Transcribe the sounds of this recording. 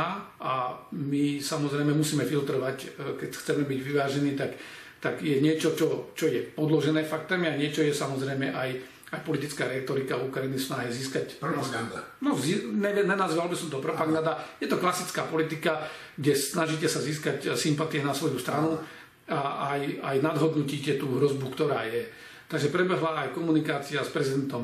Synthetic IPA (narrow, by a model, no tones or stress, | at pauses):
aamisamɔzɾɛjmɛmusiːmɛfilt̪ɾɔʋackɛcxt͡sɛmɛbiɟʋiʋaːʒɛniːt̪ak | t̪aɡjɛɲɪɛt͡ʃɔt͡ʃɔt͡ʃɔjɛpɔd̪lɔʒɛnɛːfak̚t̪ɛmiaɲɪɛt͡ʃɔjɛsamɔzɾɛjmɛʔaj | ajpɔlit̪it͡skaːɾɛt̪ɔɾikaukɾajinisnaːɦɛziːskacpɾanɔziɲɛʋɲɛnazʋalbisɔmt̪ɔpɾɔpaɡnad̪ajɛt̪ɔklasit͡skaːpɔlit̪ika | ɡɟɛsnaʒiːcɛsaziːskacsimpat̪ijɛnasʋɔjust̪ɾanu | aajajnad̪ɦɔd̪nuciːcɛt̪uːɦɾɔzbukt̪ɔɾaːjɛ | t̪aɡʒɛpɾɛbɛɦlaajkɔmunikaːt͡siaspɾɛzid̪ɛnt̪ɔm